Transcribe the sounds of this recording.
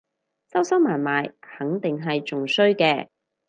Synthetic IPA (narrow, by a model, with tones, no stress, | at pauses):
sɐ˥wsɐ˥wmaː˨˩nmaː˨jhɐ˨˥ŋt̪ɪ˨ŋɦɐ˨jt͡ʃʊ˨ŋsɵ˥ɥkɛː˧